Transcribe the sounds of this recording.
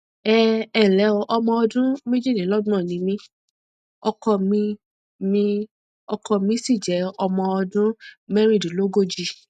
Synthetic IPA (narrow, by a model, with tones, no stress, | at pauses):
ɛ˦ɛ˦˨lɛ˨˦ɔ˧ʔɔ˧mɔ̃˧ɔ˧dũ˦me˦d͡ʒi˦˨ĩ˨˦lɔ˦dũ˦ɔ̃˦˨nĩ˨˦mĩ˦ | ɔ˧kɔ˧mĩ˧ | mĩ˧ | ɔ˧kʰɔ˧mĩ˧˦si˦˨d͡ʒɛ˨˦ɔ˧mɔ̃˧ɔ˧dũ˦mɛ˦ɾ̃ĩ˦˨di˨lo˨˦ɡo˦˨d͡ʒi˧